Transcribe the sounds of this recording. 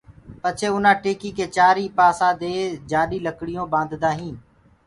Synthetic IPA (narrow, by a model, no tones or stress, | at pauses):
pət͡ʃʰeːʊnãːʈeːkiːkeːt͡ʃaːɾiːpaːsãːd̪eːd͡ʒaːɗiːləkɽɪjõːbãːnd̪ʱd̪ãːɦĩːn